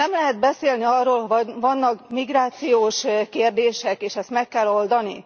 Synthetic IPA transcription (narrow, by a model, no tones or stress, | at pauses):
nɛmlɛɦɛd̪̚bɛseːlniɒrːoːlhovɒvɒnːɒkmiɡraːt̪sijoːʃkeːrd̪eːʃɛkeːʃɛst̪mɛkːɛlːo̞ld̪ɒnḭ